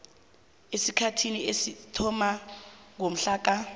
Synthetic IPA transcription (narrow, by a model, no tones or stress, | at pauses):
esikʰatʰiniesitʰɔmaŋom̩ɬaːk̬a